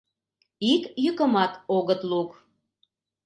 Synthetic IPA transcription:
ikjykəmɑt̪oɣət̪luk

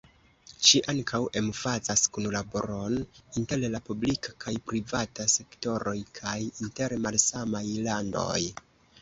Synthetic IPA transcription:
ʃiʔaŋkʰawʔe̞mfazaskunlabo̞̰ɾo̞ninte̞llapublikʰakʰajpɾivatase̞kto̞ɾʔo̞jkʰajinte̞ɾmalsamajlando̞̰j

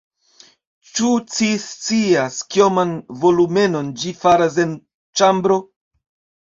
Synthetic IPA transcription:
t͡ʃut͡sist͡siaskio̞manvo̞lume̞no̞nd͡ʒifaɾas̬e̞n | t͡ʃambɾo̞

